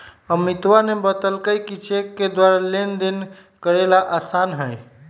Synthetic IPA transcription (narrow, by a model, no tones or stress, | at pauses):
əmit̪wanebət̪əlkəjkit͡ʃekːed̪waɾalend̪in | kəɾelaʔasanɦəj